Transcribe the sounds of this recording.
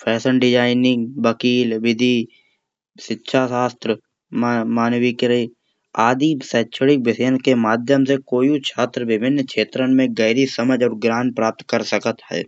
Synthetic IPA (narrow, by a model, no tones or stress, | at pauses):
pʰɛːsəɳɖɪd͡ʒaːɪnɪ̃ŋɡʋəkiːlʋɪd̪ʱi | ʃɪtːʃʰasaːst̪ɾə | mmaːnwikeɾi | aːd̪iːsɛːt͡ʃʰəɽɪk̚bɪsəjənkemaːd̪ʱjəmsekoːjũt͡ʃʰaːt̪ɾəbɪbʱɪnːkʰeːt̪ɾənmẽɡəɪɾisəməd͡ʒɔːɾɡɾaːnpɾaːp̚t̪kəɾsəkət̪ɦɛ̰ː